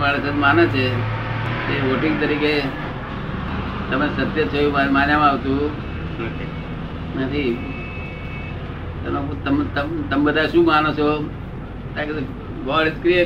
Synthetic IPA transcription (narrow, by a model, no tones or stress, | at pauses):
ʋaɭesənmanet͡ʃʰe | eʋoʈɪŋɡt̪əɾike | t̪əmesət̪jət͡ʃʰojmamaːnjam̃aʋt̪ũ | nat̪ʰi | t̪əmet̪əmt̪ət̪əmbəd̪ʱaʃũːmanot͡ʃʰo | t̪ãket̪ | ɡɔɭeskɾijə